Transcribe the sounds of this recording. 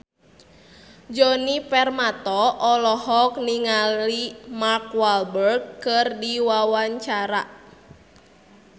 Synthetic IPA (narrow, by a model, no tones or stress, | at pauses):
d͡ʒɔnipɛrmat̪ɔʔɔlɔhɔk̚niŋallimarkwalbərkkːɨrdiwawaɲt͡ʃaɾa